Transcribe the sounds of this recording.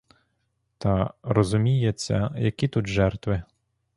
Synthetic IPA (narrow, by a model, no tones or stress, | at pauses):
t̪ɐɾɔzʊmʲijet͡sʲːɐ̰jɐkʲit̪ut̪ʒɛrt̪ʋɪ